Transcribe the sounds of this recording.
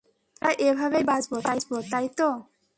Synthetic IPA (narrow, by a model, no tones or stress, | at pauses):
t̪a̰jʔebʱaβejbad͡ʑboajd͡ʑbot̪ajt̪o